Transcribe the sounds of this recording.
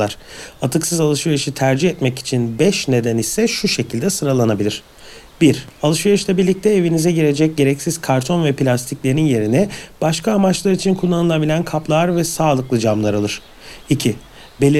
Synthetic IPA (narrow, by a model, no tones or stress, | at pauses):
aɾ̥at̪ʰɯksɯzalˠɯʃvijaʃit̪ʰæɾd͡ʒihɛt̪mɛci̥t͡ʃʰinbɛʃne̞d̪ænisɛʃuʃe̞cʰilʲd̪ɛsɯɾalˠanabilʲiɾ̥ | biɾalˠɯʃvijɯʃlˠabiɾlʲic̚t̪ʰɛevinizɛɟiɾe̞d͡ʒɛc̚ɟe̞ɾɛcsiz̥kʰaɾt̪ʰo̞nvɛpʰilʲast̪ʰiclʲe̞ɾinje̞ɾinɛb̥aʃkʰaːmat͡ʃlˠaɾit͡ʃʰinkʰulˠːanɯlˠabilʲænkʰaplˠaɾvɛsaːlˠɯklˠɯd͡ʒamlˠaɾalˠɯɾ̥ | icʰi | belʲi